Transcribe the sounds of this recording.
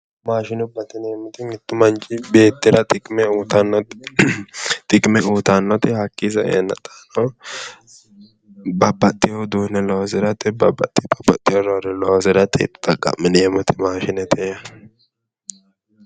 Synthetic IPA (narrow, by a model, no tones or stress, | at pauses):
maːʃɪnʊbɐt̪ːɪnɛmʊt̪ɪŋɪt̪ːʊmɐnt͡ʃʼɪbeːt̪ːɪɾɐt̪ʼɪkʼmɛuːt̪ɐnːɔt̪ | t̪ʼɪkʼmɛuːt̪anːɔt̪ɪhɐkːisɐɛ̰ɛ̰nːɐ̰t̪ʼḁnɔ | bɐbɐt̪ʼːɪjod̪uːnɛlɔwzɪɾɐt̪ːɪbɐbɐt̪ʼːɪbɐbɐt̪ʼːɪjoɾɔɾɛlɔzɪɾɐt̪ʼːɛ̰t̪ːʊ̥t̪ʼɐɡʼɐ̰mːɪnɛɛmʊt̪ɪmaːʃɪnɛt̪ʰɛ